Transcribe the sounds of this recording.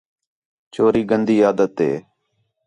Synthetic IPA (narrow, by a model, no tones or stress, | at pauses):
t͡ʃoːɾiːɡənd̪iːjaːd̪ət̪ɦḛː